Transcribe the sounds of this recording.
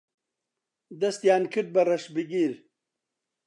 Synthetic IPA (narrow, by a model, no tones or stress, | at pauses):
d̪ɐst̪jaːnkʰiʈ̚bɐɾɐʂbiɡiɾ